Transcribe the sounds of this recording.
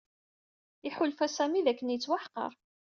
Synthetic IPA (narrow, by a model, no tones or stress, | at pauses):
iħʊlfæsæmiðækːənjət͡sːwaħqə̰ɾˤ